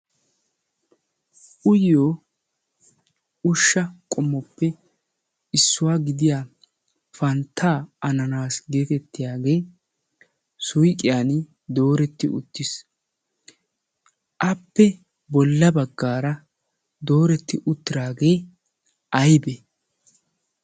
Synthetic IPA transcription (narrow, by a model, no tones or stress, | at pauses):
ʔʊjoː | ʊʃːɐkʼɔmːɔpːɛ | ɪsːʊwaːɡɪd̪ɪjaː | fɐnt̪ʰːaːʔɐnɐnaːsɡeːt̪ɛt̪ːɪjaːɡe̞ː | sʊjkʼːɪjaːn | d̪o̞ːɾɛt̪ːɪ̰ʔʊ̰t̪ːɪs | ʔɐpːɛ | bɔlːɐbɐɡːaːɾɐ | d̪o̞ːɾɛt̪ːɪʔʊt̪ːɪɾaːɡe̞ː | ʔɐjbɛ